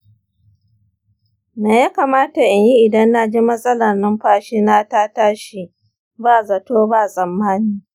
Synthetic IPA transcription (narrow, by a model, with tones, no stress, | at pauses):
naː˨ja˦kaː˨maː˦ta˨ʔɪ˨ɲji˦ʔɪ˨dɐ˦nːa˦d͡ʒi˦mɐ˦sʼɐ˦lɐ˨rnɐ˦mɸaː˦ʃiː˦naː˦taː˦taː˦ʃi˨ | baː˦˨zɐ˨toː˦baː˦˨sʼɐ˨mːaː˦niː˦